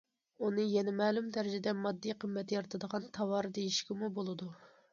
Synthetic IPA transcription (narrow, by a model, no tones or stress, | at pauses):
unɨjɛnɛmɛːlumt̪æɾɪd͡ʒɛd̪ɛmɑd̪ːijqʰəmːɛt̪ʰɪjɑɾt̪ʰɨd̪əʁɑnt̪ʰɑwɑɾd̪ejiʃkʲɪmubolˠɨd̪u